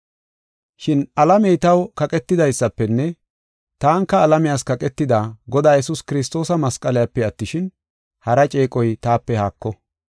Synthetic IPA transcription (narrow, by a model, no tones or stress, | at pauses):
ʃɪnʔɐlɐmɛjt̪ɐwkɐkʼɛt̪ːɪd̪ɐjsːɐpːɛnːɛ | t̪aːŋkːɐːlɐmɪjaːskɐkʼɛt̪ːɪd̪aːɡɔd̪aːjɛsʊskɪɾɪs̬t̪o̞ːsɐmɐskʼːɐlɪjapːɛɐt̪ːɪʃɪn | hɐɾɐt͡ʃʼe̞ːkʼɔjt̪aːpːɛhaːkːɔ